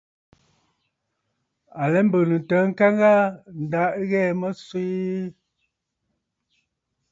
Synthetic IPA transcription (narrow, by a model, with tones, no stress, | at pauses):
a˨lɛ˦m˦bə˨nə˨n˨tə˨˦ŋ̩˦ka˦ŋɡa˦n̩˨da˨˦ʔɣɛ˦˨mə˦swi˦